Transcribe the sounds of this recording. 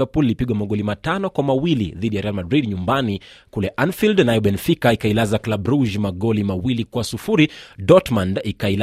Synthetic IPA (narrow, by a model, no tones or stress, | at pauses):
vɛpulːipiɠwamaɠɔlimatanɔkwamawilḭðiɗijaɾɛjalmadɾidɲumbanikulɛʔanfildnajɔɓɛnfikaikailazaklaɓɾuʒmaɠɔlimawilikwasufuɾidɔtmandikaila